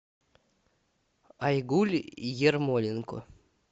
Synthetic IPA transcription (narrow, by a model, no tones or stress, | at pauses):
ajɡulʲjermolʲiŋko̰